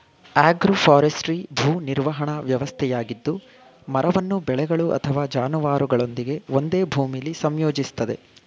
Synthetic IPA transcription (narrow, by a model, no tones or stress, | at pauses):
aːɡɾopʰaːɾesʈɾibʱuːniɾʋɐɦɐɳɐʋjɐʋɐst̪ʰɛjaːɡid̪ːu | mɐɾɐʋɐnːubɛɭɛɡɐɭuʔɐ̰t̪ʰɐʋaːd͡ʒaːnuʋaːɾuɡɐɭo̞nd̪iɡe̞o̞nd̪e̞ːbʱuːmilːisɐmjoːd͡ʒist̪ɐd̪e̞